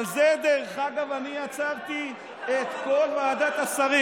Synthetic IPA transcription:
zed̪eʁeχaɡavanijat͡savt̪i | et̪ko̞lmaːd̪at̪asaʁi

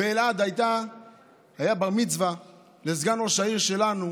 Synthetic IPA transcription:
veːlad̪ajt̪a | hajabamit͡sva | lezɡanoʃaiʁʃe̞lanu

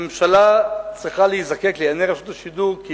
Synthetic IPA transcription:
mʃalat͡sʁiχaleizake̞kleaneʁaʃut̪aʃiduʁkːi

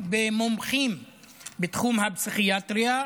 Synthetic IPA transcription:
bemomχim | bet̪χumhabsiχiat̪ɾia

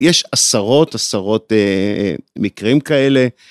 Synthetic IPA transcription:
jeʃasaʁo̞t̪asaʁo̞t̪e | mikʁimkae̞le̞

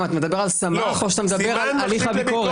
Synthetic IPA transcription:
mat̪amed̪abe̞ʁalsamaχoʃat̪amed̪abeʁalaliχabikoʁ

